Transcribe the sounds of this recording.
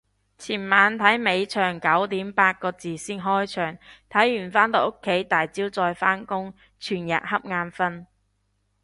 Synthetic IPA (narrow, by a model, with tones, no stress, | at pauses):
t͡sʰiː˨˩nmaː˨˧nt̪ʰɐ˨˥jme˨˧jt͡ʃʰœː˨˩ŋkɐ˨˥wt̪iː˨˥mpaː˧t̚kɔː˧t͡siː˨˩siː˥nɦɔː˥jt͡ʃʰœː˨˩ŋt̪ʰɐ˨˥jːyː˨˩nfaː˥nt̪o˨˧wʔo˥kʰːe˨˥jt̪aː˨jt͡siː˥wt͡sɔː˧jfaː˥nkʊ˥ŋ | t͡ʃʰyː˨˩njɐ̰˨t̚hɐ˥p̚ŋaː˧nfɐ˥n